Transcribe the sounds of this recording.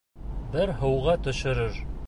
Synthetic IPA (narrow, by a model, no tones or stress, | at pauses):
bɘɾɦɤ̆wʁɑt̪ɵ̆ʃɘ̆ɾɘɾ